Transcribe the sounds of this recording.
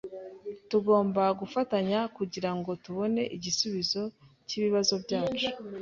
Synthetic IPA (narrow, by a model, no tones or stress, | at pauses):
tuɡo̞ːmbaɡufataɲakuɟiɾaŋɡo̞tuβo̞ne̞ʔiɟisuβizo̞ | ciːβiβazo̞bɟaːt͡ʃu̥